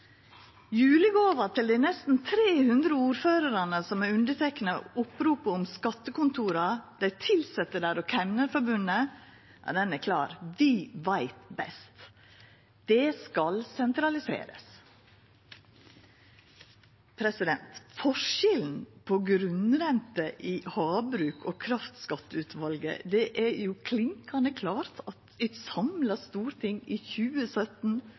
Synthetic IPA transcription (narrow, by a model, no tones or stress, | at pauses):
jʉːlɪɡoːʋət̪ʰɪld̪æɪnɛst̪n̩t̪ʰɾeːhʉnd̪ɾəuːɾføːɾəɾɑnəsɔmæʉnd̪ət̪ʰɛkːənəʊpɾuːpəʊmskɑt̪ːəkʊnt̪ʰuːɾɑd̪̥æɪt̪ʰɪlsɛt̪ːəɖæːɾoːkʰæmnəɾfɔɾbʉnə | ʔæ̰ɖ̪ɛnækʰlɑ̰ːɾʋɪʋæɪt̪bɛ̰st̪ | d̪̥ɛskɑlsɛnt̪ɾɑlɪsḛːɾə̰s | pʰɾɛsɪd̪ɛnt̪fɔʂɛln̩pʰɔɡɾʉnɾɛnt̪əʔɪhɑːbɾʉːkʰoːkʰɾɑft̪skɑt̪ːʉːt̪ʋɑlɡə̰d̪ɛʔæɾjukʰlɪŋkɑnəkʰlɑːɾt̪ʰɑt̪ɪsɑmlɑst̪uːɾt̪ʰɪŋːɪːçʉːəsœt̪n̩